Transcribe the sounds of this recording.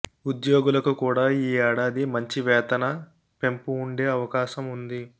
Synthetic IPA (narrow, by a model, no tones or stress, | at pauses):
ud̪joːɡulɐkukuːɽaːiːɛːɽaːd̪imɐɲt͡ʃiʋɛːt̪ɐnɐ | pe̞mpuːɳɖe̞ːɐʋɐkaːʃɐmund̪i